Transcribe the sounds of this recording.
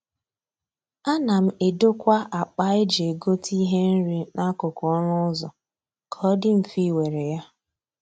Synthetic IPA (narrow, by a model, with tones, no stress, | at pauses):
a˦na˨m̩˦e˨do˦kʷa˦ʔa˨k͡pa˦ɪ˦d͡ʒe˨ɡo˦tʰi˦ɦe˦n̩˦ɾi˦na˦kʊ˨kɔ˦ɾʊ˦ʊ˦zɔ˨ | kʰɔ˨˦dɪ˦m̩˨fi˦˨we˨ɾe˨ja˦